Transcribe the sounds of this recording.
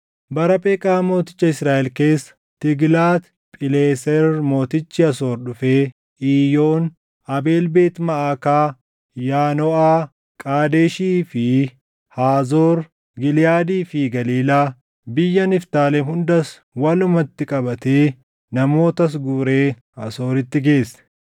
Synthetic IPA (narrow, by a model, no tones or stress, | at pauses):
bɐɾɐpʼeːkʼaːmo̞ːt̪ɪ̥t͡ʃːɐɪsɾaːʔɛlke̞ːsːɐ̥ | t̪ɪɡlaːt̪ | pʼɪleːsɛɾmo̞ːt̪ɪt͡ʃːɪɐso̞ːɾɗʊfeː | ʔiːjo̞ːn | ɐbe̞ːlbe̞ːt̪mɐʔaːkaː | jaːnɔʔaː | kʼaːd̪eːʃiːfɪ | haːzoːɾ | ɡɪlɪjaːd̪iːfɪɡɐliːlaː | bɪjːɐnɪft̪aːlɛmhʊnd̪ɐs | wɐlʊmɐt̪ːɪkʼɐbɐt̪eː | nɐmo̞ːt̪ɐs̬ɡuːɾe̞ː | ɐso̞ːɾɪt̪ːɪɡe̞ːsːɐ̥